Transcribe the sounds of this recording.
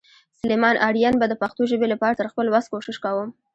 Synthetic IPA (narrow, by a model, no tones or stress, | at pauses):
sʊlemɑnʔaɽjanbad̪əpaxt̪oʒəbelapɑɾat̪əɾxpəlwast̪̚koʃɪʃkawəm